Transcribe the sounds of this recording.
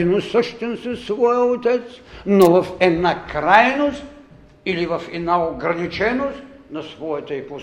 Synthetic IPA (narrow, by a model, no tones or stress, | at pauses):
nosəʃt̪ɛnsɐssvɔjəot̪ɛt̪snovɐfɛd̪nakɾajnost̪ | ilivɐfɛd̪naoɡɾɐnit͡ʃɛnost̪ | nɐsvɔjɐt̪əɛpo